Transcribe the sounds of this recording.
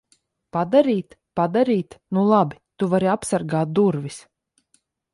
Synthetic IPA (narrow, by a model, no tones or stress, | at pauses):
pad̪aɾiːt̪pad̪aɾiːt̪nulˠabit̪uvaɾiapsaɾɡaːt̪̚d̪uɾvis